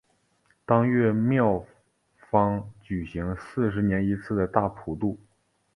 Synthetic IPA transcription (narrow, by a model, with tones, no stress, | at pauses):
t̪ɑ˥ŋɥɛ˥˧mjɑ˥˩ʊ | fɑ˥ŋt͡ɕy˨˩ɕi˧˥ŋsɹ̩˥˩ʂ̬ɻ̩˧˥njɛ˧˥ni˧˥t͡sʰɹ̩˥˩d̪ə˩t̪a˥˩pʰu˨˧˩t̪u˥˩